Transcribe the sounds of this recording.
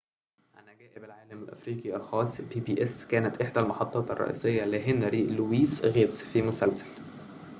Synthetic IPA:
ʔanæɡæːʔɪbælʕaːlæmælʔæ̰fɾiːqiʔɑlxɑːsˤbiːbiːʔeskæːnæt̪ʔeħd̪ælmɑħɑt̪ˤːɑːt̪ɑ̰rˤːɑ̰ʔḭːsejːɑliɦenɾiːluwiːsɣeːt̪sfimʊsælsæ̥l

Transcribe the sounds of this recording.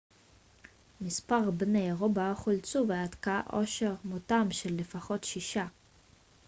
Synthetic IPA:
mispaʁbnejʁobaχult͡suveatkaʔoʃe̞ʁmotamʃelːefaχo̞tʃiʃa

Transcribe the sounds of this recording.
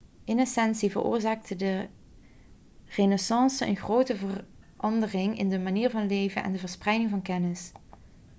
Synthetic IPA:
ɪnɛsɛnsivə̰rʔo̰ːɹzaːk̚tʰədə | renɛsɑnsəə̰nɣrowtəvər | ɑndərɪŋɪ̰ndəmaniːɹvɑnlejvənʔɛ̰ndəvəɹsprɛjdɪŋvɑnkɛnɪs

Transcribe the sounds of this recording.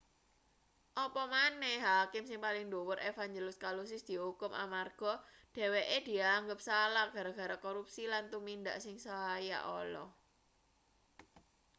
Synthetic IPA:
ʔɔpɔmanɛhɦakɪmsɪŋpalɪŋduwʊɾʔefaɲd͡ʒelɪskalus̬ɪsd̪̥i̤ɦukʊmʔa̰marɡ̥ɔ̤ɖ̥e̤weʔed̪̥i̤aaŋɡəp̚salaɡ̥ä̤ɾaɡ̥a̤ɾakoɾup̚silant̪umind̪a̰ʔsɪŋsoaja̰ʔɔlɔ̰

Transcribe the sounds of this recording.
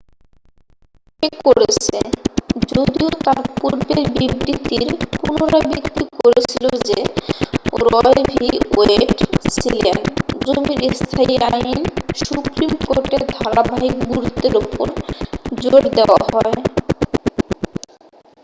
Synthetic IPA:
kekoɾet͡ɕʰed͡ʑod̪iot̪aɾpuɾbeɾbibɾit̪iɾpunoɾabikt̪ikoɾet͡ɕʰilod͡ʑe | ɾɔelbʱioeʈsilend͡ʑomiɾist̪ʰaiainsupɾimkoɾʈeɾd̪ʱaɾabʱaɦikɡuɾt̪eɾupoɾd͡ʑoɽd̪eoa̰ɦɔe

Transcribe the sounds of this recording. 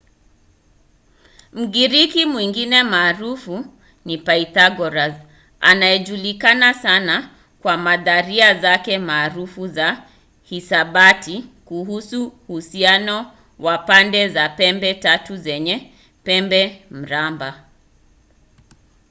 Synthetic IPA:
m̩ɡiɾikimwiŋɡinɛmaːɾufu | nipaitaɡɔɾaz | a̰naɛʄulikanasana | kwamaðaɾiazakɛmaːɾufuza | hisaɓatikuhusuhusianɔ | wapandɛzapɛmbɛtatuzɛɲɛ | pɛmbɛm̩ɾamba

